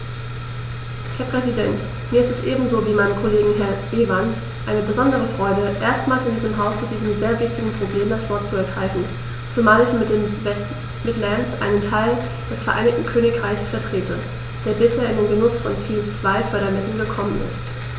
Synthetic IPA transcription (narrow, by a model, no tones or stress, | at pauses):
hɛːɐpʁ̥ɛzidɛnt | miːɐɪstɛsʔeːbm̩zoːviːmaɪnənkʰoleːɡŋ̩ɦɛɐʔeːvans | ʔaɪnəbəzɔndəʁ̞əfʁ̥ɔʏdəʔeːɐstmaːlsɪndiːzəmɦaʊst͡sud̥iːzəmzeːɐvɪçtɪɡŋ̩pʁ̥obleːmdasv̥ɔɐtt͡suɛɐɡʁaɪfn̩ | t͡sumaːlɪçmɪt̚d̥eːmvɛst | bɪtlɛnsʔa̰ɪnəntʰaɪl | d̥ɛsfɛɐʔa̰ɪnɪç̚tn̩kʰøːnɪkʁ̥aɪçsfɛɐtʁ̥eːtʰə | d̥eːɐbɪsheːɐɪndeːnɡənʊsfɔntʰiːt͡sv̥aɪfœɐɾɐmɛsl̩n̩ɡəkʰɔmənɪ̰st